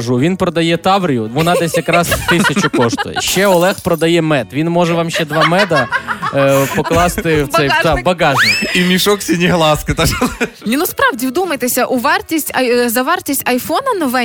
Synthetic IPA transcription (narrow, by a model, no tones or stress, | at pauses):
ʒuʋʲinpɾɔd̪ɐjɛt̪ɑʋɾʲijʊʋɔnɑd̪ɛsʲjɐkɾɑst̪ɪsʲɐt͡ʃʊkɔʂt̪ʊ̰j̰ʃt͡ʃɛɔlˠɛxpɾɔd̪ɐjɛmɛt̪ʋʲinmɔʒɛʋɑmʃt͡ʃɛd̪ʋɑmɛd̪ɐ | pɔklˠɑst̪ɪwt̪sɛjd̪ɑbɐɡɑʒnʲiimʲiʃɔksʲinʲiɦlˠɑskɪt̪ɑʒlˠ | nʲinuspɾɑwdʲiwd̪umɐjt̪esʲɐʔuʋɑrtʲisʲtʲɐjzɐʋɛrtʲisʲtʲɐjfɔnɐnɔʋɛ